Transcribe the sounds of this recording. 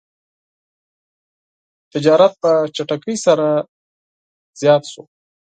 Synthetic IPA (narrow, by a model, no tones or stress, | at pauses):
t̪ɪd͡ʒɑɾat̪̚pət͡ʃaʈakəjsaɾa | z̥jɑt̪ʃo